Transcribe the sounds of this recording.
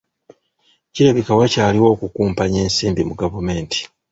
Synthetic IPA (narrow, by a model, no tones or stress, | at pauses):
ciɾeβikawacaːliwo̞ːkukuːmpaɲe̞ːnsiːmbimuɡavume̞ːnti̥